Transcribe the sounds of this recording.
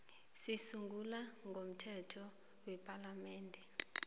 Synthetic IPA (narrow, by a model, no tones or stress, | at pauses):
sisuŋɡʱulaŋɡʱom̩tʰɛtʰɔ | wɛpʰʼalamɛːndʱɛ